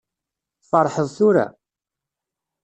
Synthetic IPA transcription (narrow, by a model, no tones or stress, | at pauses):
fɑɾˤːħəðˤθʊɾa̰